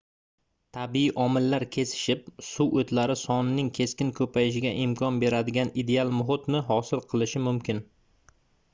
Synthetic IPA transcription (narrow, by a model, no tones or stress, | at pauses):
t̪ʰabiiʔɒmɪlːaɾkʲʰe̞sɪ̥ʃɪp̚suʔot̪ʰlaɾɪsɒnɪnɪŋkʲʰe̞skʲɪnkʰɵpʰajɪʃ̬ɪɡʲaʔɪmkʰɒnbe̞ɾad̪ɪɡʲanid̪e̞alˠmʊɦɪt̪nɪɦɒsɪlˠqʰɨlˠɪʃɪmʊmkʲɪn